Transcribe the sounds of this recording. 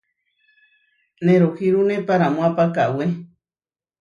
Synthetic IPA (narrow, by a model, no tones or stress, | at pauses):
neɾokiɾunepaɾamõapakawe